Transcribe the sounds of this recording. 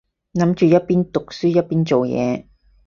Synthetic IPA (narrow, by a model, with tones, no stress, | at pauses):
nɐ˨˥mt͡ʃyː˨jɐ˥t̚piː˥nt̪ʊ˨k̚syː˥jɐ˥t̚piː˥nt͡so˨wjɛ̰ː˨˧